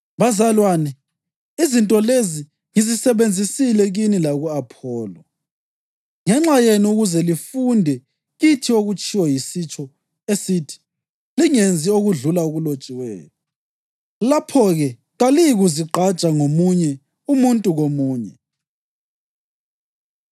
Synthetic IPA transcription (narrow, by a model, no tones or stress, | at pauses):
βazalwaːnɛ | izintʼɔlezi | ŋizisɛβend͡zʱisilɛɣinilaɣuapʰɔːlɔ | ŋɛŋ͡ǁajenuɣuzɛlifundʱɛ | ɣitʰioɣut͡ʃʰʼiwɔjisit͡ʃʼɔ | esitʰi̥ | liŋend͡zʱioɣuɮulauɣulot͡ʃʼiwɛ̰ːjɔ | lapʰɔɣɛ | ɣalijiɣuziǃʱat͡ʃʼaŋomuɲɛ | umuntʼuɣomuːɲɛ